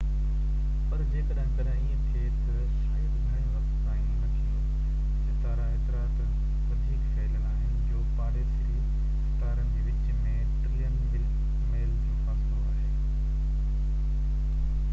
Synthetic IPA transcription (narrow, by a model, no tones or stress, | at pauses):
pɐɾd͡ʑeːkɐɗɦɪ̃kɐɗ | iə̃kʰeːt̪ɐ | sːd̪mɪɽ̃jõɾɐspaːĩnnɐt̪ʰi | sɪt̪aːɾãeːt̪ɪɾaːt̪ | ʋɐd̪ʱikfʰɛːɪlənaːɦɪnɪd͡ʑoːpaːɽes | e | sɪt̪aːɾənɪ̆d͡ʑeːʋɪt͡ɕ | mẽː | ʈɾiːənɪbɪ | meːld͡ʑĩːfaːsmoaːɦeː